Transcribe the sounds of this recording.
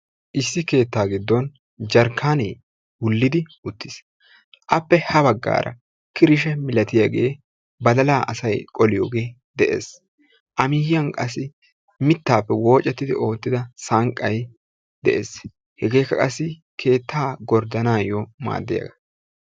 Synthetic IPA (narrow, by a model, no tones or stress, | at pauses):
ʔɪsːɪke̞ːt̪ːaːɡɪd̪ːɔn | d͡ʒɐɾkʰːaːnḛː | wʊlːɪd̪ɪʊt̪ːɪs | ʔɐpːɛhɐbɐɡːa̰ːɾʔɐ̰ | kɪɾɪʃ̬ɛmɪlɐt̪ɪjaɡe̞̰ː | bɐd̪ɐlaːʔɐsɐjkʼɔlɪjo̰ːɡe̞ː | d̪ɛʔe̞̰ːs | ʔɐmiːhɪjɐŋkʼɐsːɪ | mɪt̪ːaːpːɛwo̞ːt͡ʃʼːɛt̪ːɪd̪ɪ̰ʔo̞ːt̪ːɪd̪ɐsaŋkʼːɐj | d̪ɛ̰ʔḛːs | hɛɡe̞ːkːɐkʼɐsːɪ | kʰe̞ːt̪ʰːaːɡɔɾd̪ɐnaːjɔma̰ːd̪ːɪjɐ̰ɡɐ̥